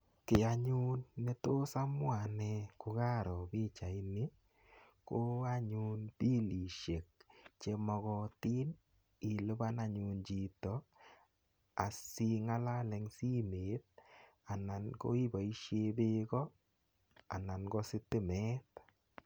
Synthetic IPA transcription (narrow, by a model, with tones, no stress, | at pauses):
kɪ˨a˨ɲu˦nme˦to˦sa˦mwa˨nɛ˦ko˧ɣa˦ɾɔ˨bi˦t͡ʃa˨i˦ni˦ | ko˦a˦ɲu˦npi˦li˨ʃe˨k̚t͡ʃe˦mɔ˧ɣɔ˦ti˦n | ɪ˨lʊ˦ba˦na˨ɲu˨nd͡ʒi˨tɔ˨ | a˨si˦ŋa˦la˦lɛ˨ŋsi˦me˨˦t̪̚ | a˨na˨nko̰˦i˦ba˨i˦ʃje˦be˦ɡɔ˦ | a̰˨na˨nɡɔ˦sɪ˦tɪ˦mɛ˦t